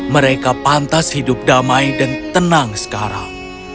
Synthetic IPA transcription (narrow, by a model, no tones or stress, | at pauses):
məɾekapant̪ashidʊp̚damaidant̪ənaŋsə̥kaɾa̰ŋ